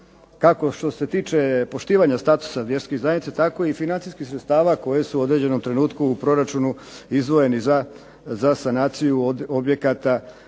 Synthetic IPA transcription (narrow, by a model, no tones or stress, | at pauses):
kako̞ʃt̪o̞se̞t̪iːt͡ʃe̞po̞ʃt̪iːʋaɲast̪at̪u̥saʋje̞ɾskizajnit̪set̪ako̞ifinansiskixsɾet̪st̪aːʋako̞je̞suːo̞d̪ɾe̞d͡ʑe̞no̞mt̪ɾe̞nuːt̪kuːpɾo̞ɾat͡ʃunu | izd̪ʋo̞je̞niza | zasanaːt̪sijuobje̞kat̪a